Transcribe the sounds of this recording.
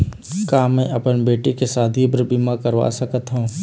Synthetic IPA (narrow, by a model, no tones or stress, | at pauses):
kaːmɛ̃ːʔɐpənbeːʈikesaːd̪ʱibɾbimakəɾʋa̰ːsəkət̪ɦũː